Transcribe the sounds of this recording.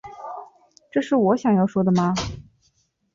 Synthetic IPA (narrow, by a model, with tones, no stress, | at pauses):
ʈ͡ʂɤ˥˧ʂɻ̩˥˩wɔ˧˥ɕjɑ˨˩ŋjɑ˥˩ʊʂwɔ˥d̪ə˨ma˧